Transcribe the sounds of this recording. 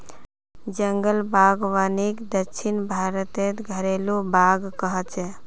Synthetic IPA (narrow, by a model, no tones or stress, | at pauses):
d͡ʒəŋɡəlbaɡʋanikd̪əkːt͡ʃʃʰinbʱaɾət̪et̪ɡʱəɾelubaɡkəɦət͡ʃɛ